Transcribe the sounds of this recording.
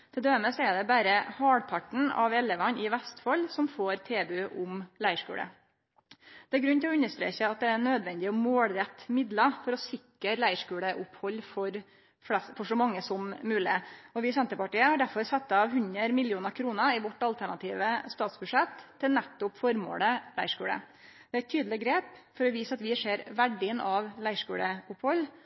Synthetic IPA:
t̪ʰɛld̪øːəməsɔɛd̪ɛbæːɾəhɑːɽpʰɑʈɳ̩ɑ̰ʋɛlːəʋɑnɪʋɛst̪fɔlːsɔmfoːɾt̪ʰeːbʉʔʊmlæɪʂkʉ̰ːɽə̰ | d̪̥ɛæɾɡɾʉnːt̪ʰɪlɔʉnːəʂt̪ɾḛːçəɑt̪̚d̪ɛæɳøːd̪ʋɛnd̪ɪəɔmoːlɾɛt̪ːmɪd̪lɑfɔɾɔsɪkəɾlæɪʂkʉːɽəʔʊphɔlːfɔɾ | flɛsfɔʂɔmɑŋːəsɔmmʉːlɪɔʋɪsɛnt̪əɾpɑʈiːəhɑɖæɾfɔɾsɑt̪ːɑʋhʉnəɾmɪlɪuːnɑkʰɾuːnəɪʋɔʈːɑlt̪ʰæɳɑt̪ʰiːʋəst̪ɑːt̪sbʉʂɛt̪ʰːɪlnɛt̪ːʊpfɔɾmo̰ːləlæɪʂkʉ̰ːɽə̰ | d̪̥ɛæt̪ʰːyːd̪l̩ɪɡɾeːpfɔɾɔʋiːsɑt̪ʋɪʂeːɾʋæɖɪənʔɑʋlæɪʂkʉ̰ːɽəʊphɔlː

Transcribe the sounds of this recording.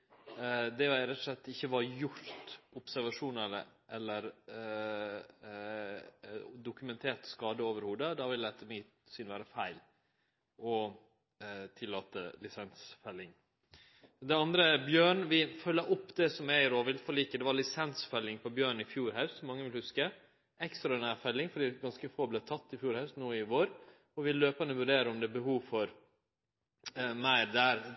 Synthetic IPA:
d̪ɛæɾɛt̪ːʊ̥ʂlɛt̪ːɪçːəʋɑɾjʊɾt̪ʊpsæɾʋɑʂuːnələ̰ʔɛlːəɾ | d̪ʊkʉmɛnt̪ʰeːt̪skɑːd̪əoːʋəɾhuːd̪əd̪ɑʋɪld̪ɛt̪ʰːəmɪt̪sʏnʋæːɾəfæɪl | ɔ | t̪ʰɪlːɑːt̪ə̰lɪsɛnsfɛlːɪŋ | d̪ɛɑnd̪ɾəbjøːɳʋɪfœlːəʔʊpːd̪ɛsɔmæɪɾɔʋɪlfɔliːkəd̪ɛʋɑɾɭɪsɛnsfɛlːɪŋpʰɔbjøːɳɪfjuːɾɦɑʉst̪ɔmɑŋːəʋɪlhʉskə | ɛkst̪ɾɑnæfɛlːɪŋfɔɖiːɡɑnskəfoːblæːt̪ʰɑt̪ːɪfjuːɾhɑʉst̪nuːɪʋoːɾ | ɔʋɪllːøːpənəʋʉɖeːɾəɔmd̪ɛbəhuːʋfɔɾ | mæɪɾd̪æːɾ

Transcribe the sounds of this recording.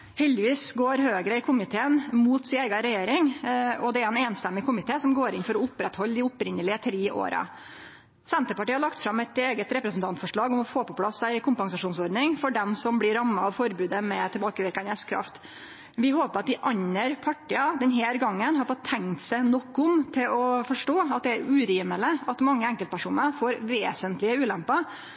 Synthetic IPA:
hɛld̪ɪʋiːsɡoːɾɦøːɡɾəɪkʰʊmɪt̪ʰeːənmuːt̪sɪeːɡɑɾɛjeːɾɪŋɔd̪ɛæɾɛneːnst̪ɛmːɪkʰʊmɪt̪ʰeːsɔmɡoːɾɪnfɔɾɔʊpɾɛt̪hɔlːd̪ɪʊpɾɪnːəlɪət̪ʰɾeːʔo̰ːɾɑ̰ | sɛnt̪əpɑʈiːəhɑɭɑkt̪fɾɑmɛt̪eːɡət̪ɾɛpɾəsn̩t̪ʰɑnt̪fɔʂɭɑːɡɔmɔfoːpɔpʰlɑsːæɪɪkʰʊmpɑŋsɑʂuːnsɔɾɖ̪nɪŋfɔɖɛmsɔmblɪɾɑmːɑɑʋfɔɾbʉːd̪əmɛt̪ʰɪlbɑːkəʋɪɾkɑnəskʰɾɑ̰ft̪ | ʋɪɦoːpəɾɑt̪̚d̪ɪʔɑɲːəɾpʰɑʈːiːɑd̪ɛnɦeːɾɡɑŋːənɦɑɾfɔt̪ʰːɛŋt̪sæɪnɔkːʊmt̪ʰɪlɔfɔʂʈoːɑt̪̚d̪ɛæɾʉːɾiːmələɑt̪mɑŋːəɛŋkəlt̪̚pʰæʂuːnəɾfoːɾʋeːsənt̪lɪəʉːlɛmpɑ

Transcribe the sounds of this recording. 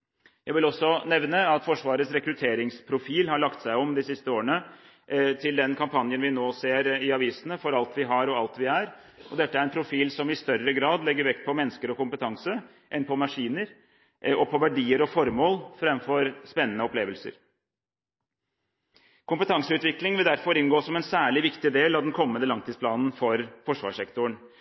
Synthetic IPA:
jæɪʋɪlɔsːɔnɛʋnəɑt̪fɔʂʋɑːɾət̪sɾɛkɾʉt̪ʰeːɾɪŋspʰɾʊfiːlhɑɭɑkt̪sæɪɔmd̪ɪsɪst̪əoːɾəɳə | t̪ʰɪld̪ɛnkʰɑmpʰɑnjənʋɪnoːseːɾɪɑʋiːsənəfɔɾɑlt̪ʰʋɪɦɑɾɔɑlt̪ʋɪæɾ | ʔɔd̪ɛt̪ːəæɾɛnpʰɾʊfiːlsɔmɪst̪œɾəɡɾɑːd̪lɛɡːəɾʋɛkt̪̚pʰɔmɛnːskəɾɔkʊmpət̪ʰɑŋsə | ʔɛnpʰɔmɑʂiːnəɾ | ɔpʰɔʋæɖiːəɾɔfɔɾmoːlfɾɛmːfɔɾspɛnːənəɔpleːʋəlsə̰ɾ | kʰʊmpət̪ʰɑŋsəʉːt̪ʋɪklɪŋʋɪld̪æɾfɔɾɪnɡoːsɔmɛnsæːɭɪʋɪkt̪ɪd̪eːlɑʋd̪ɛnkʰɔmːənd̪əlɑŋt̪ʰɪːspʰlɑːnn̩fɔɾfɔʂʋɑ̰ʂɛkt̪ʊəɳ

